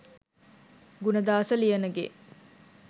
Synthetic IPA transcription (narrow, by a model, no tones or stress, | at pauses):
ɡunɐd̪aːsɐlijɐnɐɡḛ